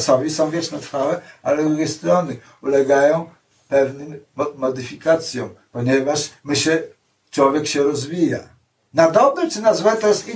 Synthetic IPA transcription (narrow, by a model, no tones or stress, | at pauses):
sɔvʲisɔ̃w̃vʲjɛt͡ʂnɛt̪ɾfawɛa̰lɛzɾuɡʲejst̪ɾɔnɘ | ulɛɡajɔ̃w̃ | pɛvnɘmːɔd̪ɘfʲikat̪sʲjɔ̰̃w̃pɔɲɛvaʂmɘɕɛ | t͡ʂwɔvʲjɛkɕɛɾɔzvʲija̰ | nad̪ɔbɛt͡ʂɘnazwɛt̪ɔjɛst̪i